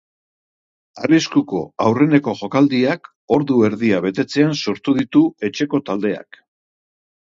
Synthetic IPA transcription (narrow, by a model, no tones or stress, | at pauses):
a̰riskuko̞awre̞ne̞ko̞ʝo̞kald̪iak | o̞ɾðue̞ɾðiaβe̞t̪e̞t͡seansoɾt̪uðit̪ue̞t͡ʃe̞ko̞t̪ald̪e̞a̰k